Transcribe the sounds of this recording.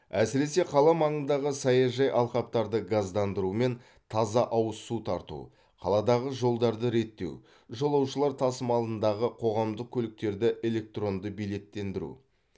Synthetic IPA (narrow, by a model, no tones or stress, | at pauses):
æsɪɾe̞se̞qʰɑlˠɑmɑɴənd̪ɑʁəsɑjɑʒɑjʔɑlˠqɑp̚t̪ɑɾd̪əɡazd̪ɑnd̪əɾume̞n | t̪ʰɑzɑʔɑwəsut̪ʰɑɾt̪ṵ | qʰɑ̰lˠɑd̪ɑʁəʒo̞lˠd̪ɑɾd̪əɾe̞t̪ːe̞̰w | ʒolˠɑwʃəlˠɑɾt̪ʰɑsəmɑlˠənd̪ɑʁəqʰo̞ʁɑmd̪əq̚kʲʰɵlɪk̚t̪e̞ɾd̪ɪʔe̞lʲe̞k̚t̪ro̞nd̪əbijle̞t̪ːe̞nd̪ɪɾṵ